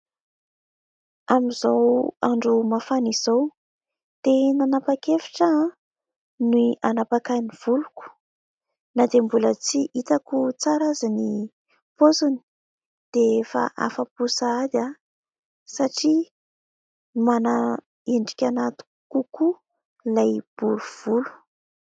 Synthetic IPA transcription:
amizowaɳɖ͡ʐumafaniz̥ow | d̪̥enanapakefi̥ʈ͡ʂa | nuianapakaniv̥uluku̥ | nad̪embulət͡siʔit̪akut͡saɾazini | pozuni̥ | d̪̥eefa̰ʔa̰fapusad̪a | saʈ͡ʂi | mana | eɳɖ͡ʐikʲanat̪u̥ | kuku | lajb̥uɾuv̥ulu̥

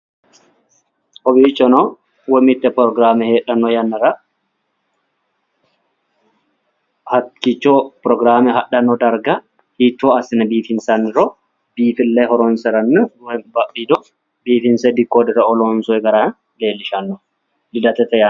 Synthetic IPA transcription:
ʔɔbiːt͡ʃːɔnɔ | wɔmɪt̪ːɛpɾɔɡɾaːmɛheːᶑɐnːɔjɐnːɐɾɐ | hɐkit͡ʃːopɾɔɡɾaːmɛɦɐɗɐnːɔd̪ɐɾɡɐ | hiːt̪ːoɐsɪnɐbiːfɪnsɐnːɪɾɔ | b̥iːfɪlːeɦɔɾɔnsɛɾɐnːbɐbid̪ɔ | biːfɪnsɛd̪ɪkːoːd̪ɪɾɐɔlɔnsɔɛɡɐɾa | leːlːɪʃɐnːɔ | lɪd̪ɐt̪ɛt̪ɛja

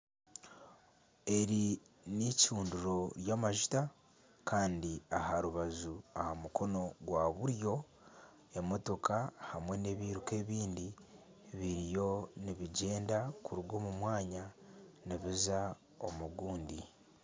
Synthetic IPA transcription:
e̞ɾi | nicuːnduɾo̞ɾjaːmaʒu̥ta | kʰaːndiahaɾuβazuahamukʰo̞no̞ɡwaβuɾjo̞ | e̞mo̞to̞kahamwe̞ne̞βiːɾuke̞ːβiːndi | βiɾijo̞niβiɟe̞ːndakuɾuɡo̞ːmumwaːɲaniβiza | o̞̰muɡuːndi

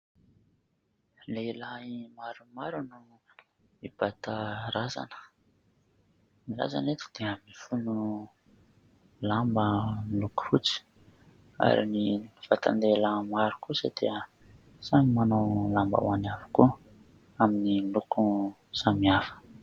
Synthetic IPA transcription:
lelaimaɾumaɾunu | mib̥at̪aɾaza̰nə̥ | mila̰za̰net̪i̥d̪̥eəmifunu | lambəniluku̥fut͡si̥ | a̰ɾḭnifat̪a̰nd̪eləmaɾukusə̰d̪̥ḛə | saɲimanawlamba̰wanavu̥kuə | aminiiluku | z̥amiafə̥

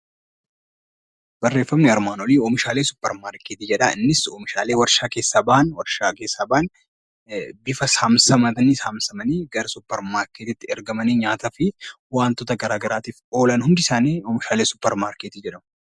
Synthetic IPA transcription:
b̥ɐrːe̞ːfːɐmnɪɐɾmaːnoliːoːmɪʃaːleːsʊpːɛɾmaːɾkeːt̪ɪd͡ʒɛᶑɐɪnːɪsoːmɪʃaːleːwɐɾʃaːke̞ːsːaːbɐʔɐnwɐɾʃaːkeːsːaːbɐʔɐn | bɪfɐsaːmsɐmɐt̪ɐnisaːmsɐmɐniːɡɐɾɐsʊpːɛɾmaːɾkeːt̪ɪt̪ːɪɛɾɡɐmɐniːɲaːt̪ɐfɪwaːnt̪ot̪ɐɡɐɾaːɡɐɾaːt̪iːfo̞ːlɐnhʊnd̪ɪsaːniːɔːmɪʃaːleːsʊ̥pːɛɾmaːɾkeːt̪ɪd͡ʒɛᶑɐmɐ

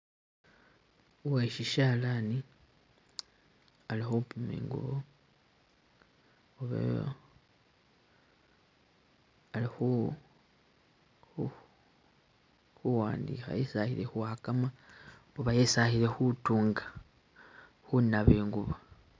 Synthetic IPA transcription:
uweʃiʃaːlani | alixupumḛːŋɡṵβo | uβa̰ | alixu | xuwaːndḭxa̰jesahiɾe̞xuhakama | uβajesahiɾe̞xutuːŋɡa | xunaβeːŋɡuβo

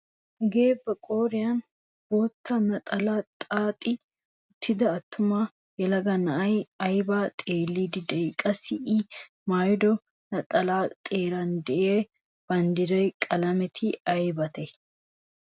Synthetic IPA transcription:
ɡe̞ːbːɛkʼoːɾɪjɐn | b̥ot̪ʰːɐnɐt̪ʼɐlaːt̪ʼaːt̪ʼɪ | ʊt̪ːɪd̪ɐːt̪ːʊma | jɛlɐɡɐnɐʔɐjɐjbaːt̪ʼeːlːid̪ɪd̪ɛjkʼɐsɪʔɪ | maːjd̪ɔ | nɐt̪ʼɐlaːt̪ʼe̞ːɾɐnd̪ɛʔeː | b̥ɐnd̪ɪɾɐjkʼɐlɐmɛt̪ʰɪɐjbɐt̪ɛ

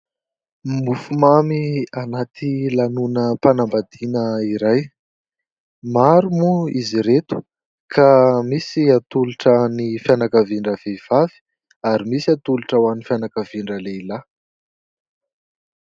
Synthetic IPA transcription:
mufumamianat̪ilanunəpanambad̪inəiɾaj | maɾumuiziɾet̪u̥ | kʰamisiat̪uluʈ͡ʂanifjanakəviɳɖ͡ʐəvev̥avi̥ | aɾimisiat̪uluʈ͡ʂawanifjanakəviɳɖ͡ʐəleila

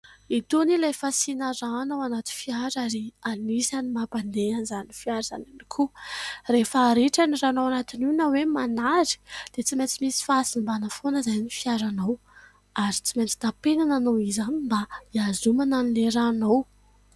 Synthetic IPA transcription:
it̪unilajfasinaɾanawanat̪ifiaɾaɾianisanimapand̪eanizanifiaɾza̰nanikʰurefaɾeʈ͡ʂaniranawanat̪ininawemanaɾi̥d̪̥et͡simet͡simisi̥fasinbanafonəzajnifiaɾanaw | aɾit͡siment͡s̪i̥t̪apenananowizanimbaiazumananileɾanaw

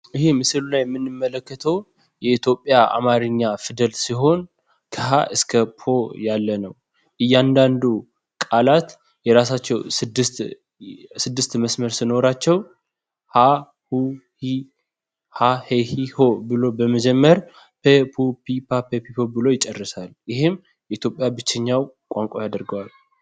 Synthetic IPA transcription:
ʔɨhe̞mɨsɨlulajɛmːɨnːɨmːələkːət̪ʰəw | jɛit̪ʰjo̞pʼːjaʔa̰maɾɨɲːafɨd̪əlsiɦo̞n | kʰəɦaʔɨskʰəpʰo̞jalːənəw | ʔɨjːand̪and̪u | kʼalat̪ | jɛɾas̬at͡ʃːɛwsɨd̪ːɨst̪ | sɨd̪ːɨst̪məsməɾsɨno̞ɾat͡ʃːɛw | ha | huh | hahehihobɨlo̞bəməd͡ʒɛmːəɾ | pʰepʰupʰipʰapʰepʰipʰo̞bɨlo̞jɪt͡ʃʼɛrːɨsaljɪhɨm | jɛʔit̪ʰjo̞pʼjabɨt͡ʃːɛɲːaw | kʷʼaŋkʷʼajad̪əɾɡəwal

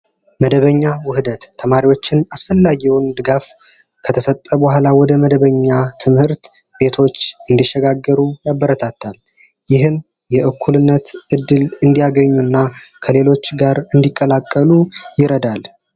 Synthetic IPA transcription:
məd̪əβəɲːawʊhɨd̪ət̪ʰːəmaɾiwo̞t͡ʃːɪnasfəlːaɡiwnd̪ɨɡaf | kʰət̪ʰəsət̪ʼːəbəhʷalawɔd̪əməd̪əβəɲːat̪ʰɨmhɨɾt̪ | be̞t̪ʰo̞t͡ʃːɨnd̪iʃəɡaɡːəɾujabːəɾət̪ʰat̪ʰːal | jɪɦɨm | jɛʔɨkʰːulɨnːət̪ʔɨd̪ːɨlɨnd̪ijaɡəɲːunːakʰəle̞lo̞t͡ʃːɡaɾɨnd̪ikʼːəlakʼːəlujɪɾəd̪al

